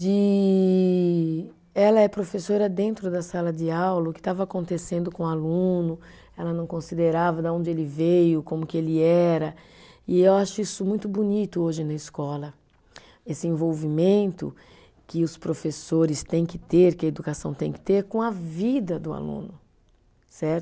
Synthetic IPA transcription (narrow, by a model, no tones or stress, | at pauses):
d͡ʒɪ | ɛlɐɛpɾofesoɾɐd̪ẽnt̪ɾʊd̪ɐsalɐd͡ʒɪawlʊkɪ̥t̪avɐːkõnt̪esẽnd̪ʊkõalũnʊ | ɛlɐnɐ̃w̃kõsid̪eɾavɐd̪ɐõnd͡ʒɪelɪvejʊkõmʊkɪelɪɛɾɐ | ɪewaʃʊisʊmũj̃t̪ʊbunit̪ʊoʒɪnɐɪskɔlɐ | esɪẽvowvimẽnt̪ʊ̰ | kɪʊspɾofesoɾɪst̪ẽj̃kɪt̪eɾkɪed̪ukasɐ̃w̃t̪ẽj̃kɪ̥t̪eɾkõɐvid̪ɐd̪ʊa̰lṵ̃nʊ | sɛɾt̪ʊ